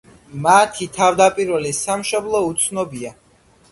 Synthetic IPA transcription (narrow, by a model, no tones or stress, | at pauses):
mat̪ʰit̪ʰavd̪apʼiɾvɛlisamʃɔblˠɔut̪sʰnɔbia